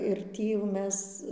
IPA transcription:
ɪr ˈtʲiː jɛʊ ˈmʲɛs

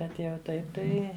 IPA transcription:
ˈbʲɛt jɛʊ ˈtɐɪp ˈtɐɪ

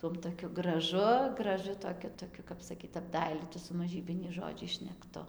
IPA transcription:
ˈtuɔm toːˈkʲʊ ɡrɐˈʒʊ ɡrɐˈʒʊ toːˈkʲʊ toːˈkʲʊ kɐp sɐˈkʲiːt ɐbˈdɐɪlʲiːtʊ sʊ mɐˈʒʲiːbʲɪnʲɛɪs ʒoːˈd͡ʒʲɛɪs ʃʲnʲɛkˈtʊ

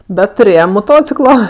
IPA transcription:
ˈbʲɛt tʊˈrʲeːjɛm moːˈtoːt͡sʲɪklˠoː

